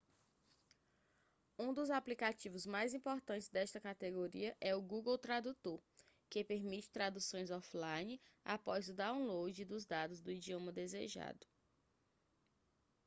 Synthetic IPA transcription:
ũd̪ʊzaplikat͡ʃivʊzmajzĩpoɾt̪ɐ̃nt͡ʃɪzd̪ɛʃt̪ɐkat̪eɡoɾiɐʔɛʊɡuɡowt̪ɾad̪ut̪oɾ | kepeɾmit͡ʃɪ̥t̪ɾad̪usõj̃zɔflajnɪa̰pɔzʊd̪aw̃lowd͡ʒɪd̪ʊzd̪ad̪ʊzd̪ʊid͡ʒiõmɐd̪ezeʒa̰d̪ʊ

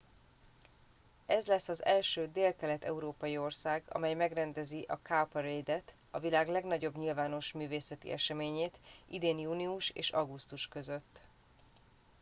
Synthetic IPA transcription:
ɛzlɛsːɒzɛlʃøːd̪eːlkɛlɛt̪ɛ̰uɾoːpɒjio̞rsaːɡɒ̰mɛjmɛɡrɛnd̪ɛziʔɒkaprejd̪ɛt̪ | ɒvilaːɡlɛɡnɒɟo̞bɲilvaːno̞ʃmyːveːsɛt̪ḭʔɛ̰ʃɛmeːɲeːt̪ʔḭd̪eːnjuːniuʃḛːʃɒɡust̪uʃkø̞zøt̪ː

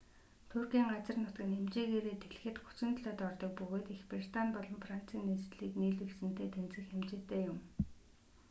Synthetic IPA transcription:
t̪ʰurɡiːŋɢat͡sə̆rnʊt̪kɘ̆nemt͡ɕeːɣeːɾeːt̪ʰeɮ̆xɘ̆t̪xu̥t͡sɪ̆nt̪ɮɔːt̪ɔrt̪ɞ̆k̚pɵɣoːt̪ixprir̥t̪anpɔɮɞ̆mfran̥t͡sʰiːnːesɮiːkniːɮɵksɘ̆n̥t̪eːt̪ʰent͡sɘ̆xxemt͡ɕeːt̪eːjʊm

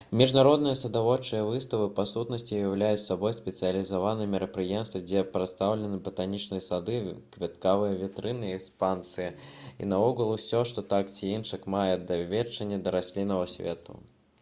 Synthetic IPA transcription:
mʲiʐnaɾɔd̪nɨjɐsɐd̪avɔt͡ʂːɨjɐvɨst̪ɐvɨpasut̪nɐsʲt͡sʲijawlʲajut͡sʲsːabɔjspʲɛt̪sɨjɐlʲizavanɨjɛmʲiɾɐpɾɨjɛmst̪vɐd͡zʲɛpɾɐt̪st̪awlʲɛnɨbɐt̪anʲit͡ʂnɨjɐsad̪ɨkvʲɛt̪̚kavɨjɐvʲit̪ɾɨnɨɛkspant̪sɨjɐḭnɐɔɣɐlˠusʲɔʂt̪ɔt̪akt͡sʲiinʂɨkmajɛd̪ɐvʲɛt͡ʂːɐnʲːɛd̪ɐɾasʲlʲinɐvɐsʲvʲɛ̰t̪ṵ

